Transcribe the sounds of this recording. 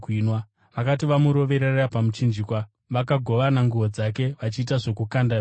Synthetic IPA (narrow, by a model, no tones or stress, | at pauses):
nwa | ʋakatiʋamuɾo̞ʋe̞ɾerapamut͡ʃind͡ʒikwa | ʋakaɡʱo̞ʋanaŋɡuʋo̞d͡zake̞ʋat͡ʃiːtaʐo̞kukanda